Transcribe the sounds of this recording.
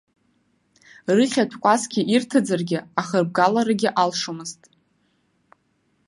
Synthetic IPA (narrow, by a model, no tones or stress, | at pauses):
rɨχʲatʰkʷʼasɡʲɪʔirtʰɨd͡zarɡʲɪaχərb̚ɡalaɾaɡʲɪʔalʂomɨztʼ